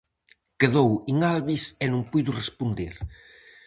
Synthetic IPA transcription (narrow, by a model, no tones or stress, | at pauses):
keðowiŋalβisenũŋpujðurespund̪eɾ